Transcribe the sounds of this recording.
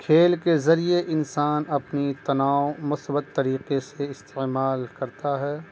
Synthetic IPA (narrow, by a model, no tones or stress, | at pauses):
kʰeːlkezɐɾieʔɪnsaːnɐpnit̪ɐnaːoʊmʊsbət̪ːɐɾiːqeseɪst̪emaːlkɐɾt̪aɦɛː